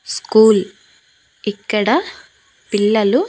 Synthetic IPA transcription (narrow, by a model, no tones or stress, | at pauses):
skuːl | ikːɐɽɐ | piɭːɐlu